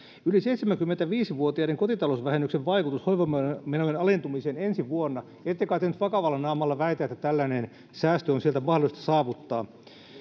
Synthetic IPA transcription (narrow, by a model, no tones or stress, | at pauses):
yliseit̪semæŋkymːent̪æʋiːsiʋuot̪iɑdeŋkot̪it̪ɑlosʋæhenːykseʋʋɑikut̪ushoiʋommenojenɑlent̪umiseːnensiʋuonːɑ | et̪ːekɑːt̪ːehnyt̪ʋɑkɑʋɑlːɑnɑːmɑlːɑʋæit̪æːet̪ːæt̪ælːænen | sæːst̪øonsielt̪æmɑhdolist̪ɑ̥sɑːʋut̪ːɑː